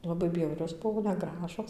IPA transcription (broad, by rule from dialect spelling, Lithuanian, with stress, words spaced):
lˠɐˈbɐɪ ˈbʲjɛʊrʲoːs ˈbʊʋoː nʲɛˈɡrɑːʒoːs